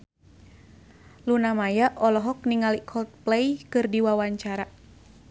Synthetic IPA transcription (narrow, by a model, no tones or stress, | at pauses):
lunamajaʔɔlɔɦɔk̚niŋalikʰɔlt̪̚plɛjkɨrdiwawaɲt͡ʃaɾa